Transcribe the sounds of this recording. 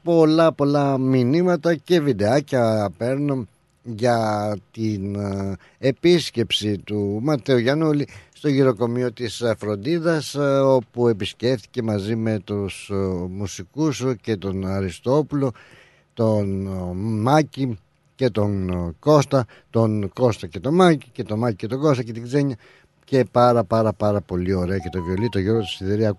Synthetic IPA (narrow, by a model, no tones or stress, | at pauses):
po̞lɐpo̞lɐminimɐt̪ɐce̞vid̪eɐcɐpe̞ɾnun | ʝɐt̪in | e̞pisce̞psit̪umɐt̪e̞uʝɐnulist̪o̞ʝiɾo̞ko̞mio̞t̪isfɾo̞nd̪iðɐso̞pue̞pisce̞fθi̥ce̞mɐzime̞t̪usmusikusce̞t̪o̞nɐɾist̪o̞pulo̞ | t̪o̞nmɐci | ce̞t̪o̞ŋko̞st̪ɐ | t̪o̞nko̞st̪ɐce̞t̪o̞mɐcice̞t̪o̞mɐcice̞t̪o̞ɡo̞st̪ɐce̞t̪iɡze̞ɲɐ | ce̞pɐɾɐpɐɾɐpɐɾɐpo̞lio̞ɾe̞ɐce̞t̪o̞vo̞lit̪oʝoɾot̪i̥siðeɾiɐ